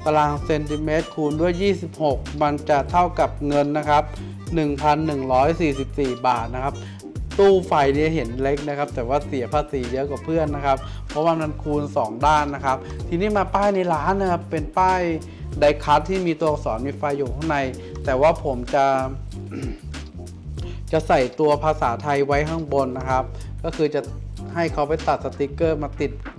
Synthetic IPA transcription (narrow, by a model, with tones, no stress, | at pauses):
t̪a˧laː˧ŋse˧nt̪ʰi˧˩meː˦˥t̪̚kʰuː˧ndu˥˩əjːiː˥˩si˨˩p̚ho˨˩k̚ma˧nt͡ɕa˨˩t̪ʰa˥˩wka˨˩p̚ŋɤ˧nːa˦˥kʰa˦˥p̚ | nɯ˨˩ŋpʰa˧nːɯ˨˩ŋɾɔː˦˥jsiː˨˩si˨˩p̚siː˨˩baː˨˩t̪̚na˦˥kʰa˦˥p̚ | t̪uː˥˩fa˧jni˦˥˩ɦe˩˦nle˦˥k̚na˦˥kʰa˦˥p̚t̪ɛː˨˩waː˥˩si˨˩˦ɐpʰaː˧˩siː˩˦jɤ˦˥ka˨˩pʰɯ˥˩ənːa˦˥kʰa˦˥p̚ | pʰːɔ˦˥waː˥˧˩ma˧nkʰuː˧nsɔː˩˦ŋdaː˥˩nːa˦˥kʰa˦˥p̚t̪ʰiː˧niː˦˥˩maː˧paː˥˩jna˧jlaː˦˥nːa˦˥kʰa˦˥ppe˧npaː˥˩j | da˧jkʰa˦˥t̪ʰːiː˥˩miː˧t̪u˧ɐsɔː˩˦nmiː˧˥fa˧jːuː˨˩t̪ʰa˥˩ŋna˧j | t̪ɛː˨˩waː˥˩pʰo˩˦mt͡ɕa˨˩ | t͡ɕa˨˩ʔsa˨˩jt̪u˧ɐpʰaː˧saː˩˦t̪ʰa˧jwa˦˥jɦa˥˩ŋbo˧nːa˦˥kʰa˦˥p̚kɔː˥˩kʰɯː˧t͡ɕa˨˩ha˥˩jkʰa˦˥wpa˨˩jt̪a˨˩t̪̚sa˧t̪i˦˥kːɤː˥˩maː˧t̪i˨˩t̪̚